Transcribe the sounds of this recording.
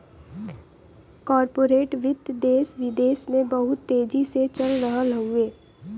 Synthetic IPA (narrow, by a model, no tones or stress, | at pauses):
kɔːɾpoːɾeːʈʋɪd̪d̪eːsʋɪd̪eːsmẽbəɦʊt̪ːeːd͡ʒiset͡ʃɐlɾɐɦãləũẽː